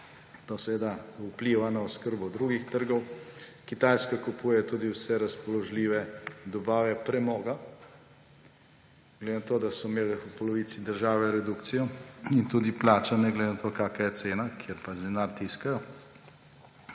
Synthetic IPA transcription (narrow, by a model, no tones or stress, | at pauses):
t̪osɛʋed̪aupliːʋanaɔskəɾbɔd̪ɾuːɡixt̪əɾɡɔwkit̪aːjskakupuːjɛt̪uːd̪iwsɛɾaspɔlɔʒliːʋɛd̪ɔbaːʋɛpɾɛmɔːɡa | ɡ̥led̪eɪnat̪oːd̪asɔmeːlɛupɔlɔʋiːt̪sid̪əɾʒaːʋɛɾɛd̪ukt̪sijɔint̪uːd̪iplaːt͡ʃanɛɡled̪enat̪okaːkajɛt̪seːnakʰjeɾpad͡ʒd̪ɛnaɾt̪iskajɔ